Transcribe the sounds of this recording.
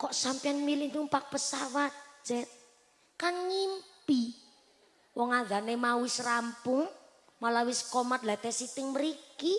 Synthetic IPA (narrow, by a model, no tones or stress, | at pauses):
kɔʔsampianmilɪhnumpak̚pəsawat̪̚d͡ʒ̥ɛt̪̚ | kaŋɲimpi | wɔŋaðanemawɪsrampʊŋ | malawɪskɔmat̪̚lat̪ɛsit̪ɪŋməɾiki